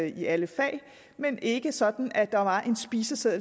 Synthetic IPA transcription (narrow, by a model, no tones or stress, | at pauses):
iʔæləfɛ̰ːɪ | menʔe̝ɡ̥əsɒ̽d̥n̩æd̥ɑ̈ʋɑ̈ʔe̝nsb̥iːsəseð̰ˠl